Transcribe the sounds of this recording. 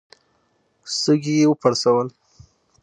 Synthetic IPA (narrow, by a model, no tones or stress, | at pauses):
səɡijewəpaɽsawəl